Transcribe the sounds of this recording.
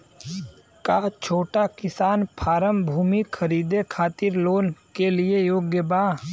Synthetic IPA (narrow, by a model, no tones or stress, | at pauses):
kat͡ʃʰoːʈakɪsaːnpʰaːɾəmbʱuːmikʰəɾiːd̪ekʰaːt̪ɪɾloːnkelɪejoːɡjəbaː